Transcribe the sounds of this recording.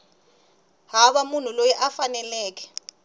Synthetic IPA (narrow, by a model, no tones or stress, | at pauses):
ɦaɓamun̤ulojɛʔafanɛlɛːk̬ɛ̥